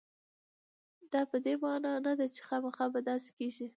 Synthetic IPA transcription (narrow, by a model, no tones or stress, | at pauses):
d̪̥ɑpəd̪emɑnɑnad̪at͡ʃe̥xɑmaxɑbad̪ɑse̥keʒi